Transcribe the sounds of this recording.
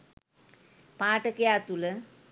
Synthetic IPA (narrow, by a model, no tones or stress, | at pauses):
pãːʈəkəjat̪ulə